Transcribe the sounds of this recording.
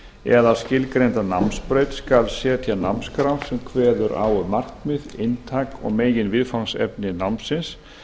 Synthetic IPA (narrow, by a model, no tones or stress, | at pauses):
ɛðascɪlkɾejnt̪ana̰mspɾeːjt̪skalsɛːt̪ʰjana̰mskɾawsɛmkʰvɛːðʏɾʔa̰ːwʏmar̥kmɪðɪnt̪ʰaːkɔ̰ɣmeːjjɪnvɪðfaŋsɛ̰p̚nɪnawmnsɪns